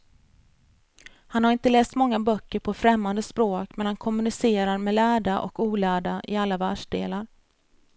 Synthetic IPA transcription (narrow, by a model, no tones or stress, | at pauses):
hanhaɾɪnt̪əlɛːst̪mɔŋːabœkːəɾpʰɔfɾɛmːand̪əspɾoːkmɛnhankʰɔmɵnɪseːɾaɾmɛlæːɖaʔɔ̰kuːlæːɖaʔɪalːavæːʂɖḛːlaɾ